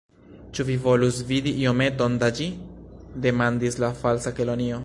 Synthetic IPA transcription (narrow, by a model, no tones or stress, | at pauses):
t͡ʃuvivo̞lusvidiio̞me̞to̞ndad͡ʒide̞mandislafalsakelonio̞